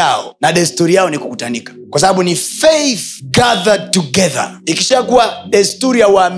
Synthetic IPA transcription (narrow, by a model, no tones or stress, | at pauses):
aɔnaɗastuɾijaɔnikukutanikḁkwas̬aɓaɓunifɛjθɡaðad̚tuɡɛða̰ikiʃakuaɗastuɾijawam